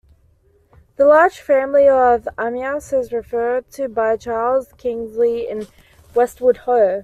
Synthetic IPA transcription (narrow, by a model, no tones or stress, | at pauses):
ðəlɑːd̥ʒ̥fæ̃mliəvamjɑsəzɹɨfɜːd̚tʰɨbaɪt͡ʃʰɑːlˠz̥kʰɪ̃ŋzliɪ̃n | wɛst̚wəd̥̚həʊ